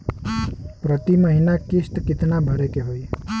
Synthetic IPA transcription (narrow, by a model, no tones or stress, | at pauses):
pɾət̪iməɦinakist̪kit̪nabʱʌɾekeɦoj